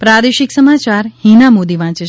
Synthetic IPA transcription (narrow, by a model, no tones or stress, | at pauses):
pɾad̪eʃiksəmat͡ʃaɾhinamod̪iʋãːt͡ʃe